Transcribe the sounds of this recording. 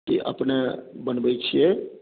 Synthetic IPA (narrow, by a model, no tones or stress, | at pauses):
kḭʔə̰pnebənbəjt͡ʃʰije